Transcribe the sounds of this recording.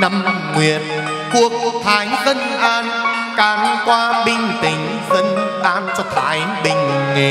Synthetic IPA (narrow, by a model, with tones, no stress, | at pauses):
na˧m | ŋwi˨˩ət̚ | ku˨˩ək̚t̪ʰaː˨˦jzə˧nʔaː˧n | kaː˨˦nkwaː˧ɓï˧ŋ̟t̪ï˨˩ŋ̟ | zə˧nʔaː˧˥nt͡ɕɔ˧t̪ʰa̰ː˨˦j | ɓï˨˩ŋ̟ŋe˨˩